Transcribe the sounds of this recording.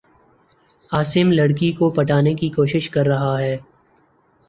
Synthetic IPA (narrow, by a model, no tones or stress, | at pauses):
aːsɪmlɐɽkikopɐʈaːnekikoːʃɪʃkɐɾːɐɦaɦɛː